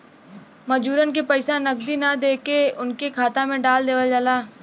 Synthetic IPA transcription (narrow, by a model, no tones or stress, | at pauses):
mɐd͡ʒuːɾənk̬epɐɪsãnɐɡd̪inɐd̪eːkeʊnkekʰaːt̪amẽɖaːld̪eːʋəld͡ʒalaː